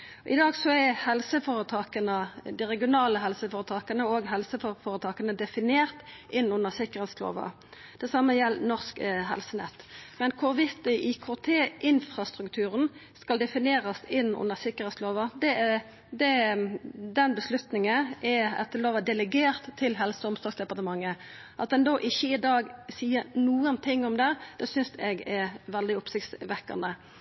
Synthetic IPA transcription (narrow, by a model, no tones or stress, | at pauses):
ʔɪ̰d̪ɑːɡsɔɛhɛlsəfoːɾət̪ʰɑːkənəd̪ɪʁɛɡɪʊnɑːləɦɛlsəfoːʁət̪ʰɑːkənəoːɡɦɛlsəfofoːɾət̪ʰɑːkənəd̪ɛfɪneːʁt̪ʔɪnːʊnːəʁsɪkəʁhɛːt̪slo̰ːʋɑ̰ | d̪̥ɛsɑmːəjɛlnɔʁskɦɛ̰lsənɛt̪ːmɛnkʰʊʁʋɪt̪ɪʔikʰoːt̪ʰeːʔɪnfʁɑst̪ʁʉkt̪ʰʉːʁənskɑld̪ɛfɪneːʁəsɪnːʊ̰nːəsɪkːəʁɛːt̪sloːʋɑd̪ɛ | d̪ɛ | d̪ɛnbəslʉt̪nɪŋənʔɛɛ̰t̪d̪əloːʋəd̪ɛləɡeːʁt̪ʰːɪlɦɛlsəɔmsɔsd̪ɛpɑʁt̪əmɑŋːə | ʔɑt̪̚d̪ɛnd̪oːʔɪçːəɪd̪ɑːɡsiːənuːənt̪ʰɪŋːɔmd̪ɛd̪ɛsʏnsɛɡɛʋɛld̪ɪʊpsɪkt̪sʋɛkːɑ̰nd̪ə